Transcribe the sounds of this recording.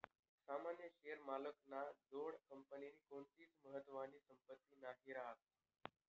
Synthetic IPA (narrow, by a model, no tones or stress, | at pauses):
samanjəɕejəɾmaləknad͡zoɽkəmpəniniːkoɳt̪iːt͡sməɦət̪ːʋaniːsəmpət̪ːiːnaɦiɾaɦə